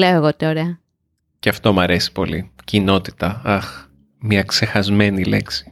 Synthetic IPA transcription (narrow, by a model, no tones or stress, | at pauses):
leoeɣot̪oɾeɐ | ceɐft̪o̞mɐɾe̞si̥po̞̰lḭcino̞t̪i̥t̪ɐɐx | mɲɐkse̞xɐzme̞nile̞̰ksi̥